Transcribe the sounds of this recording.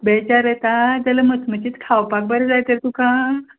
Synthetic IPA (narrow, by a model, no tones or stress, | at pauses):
bɛt͡ɕaɾɛt̪ad͡zaləmət̪ʰmət͡ɕiːt̪kʰawpak̚bəɾɛd͡zajt̪əɾt̪ukã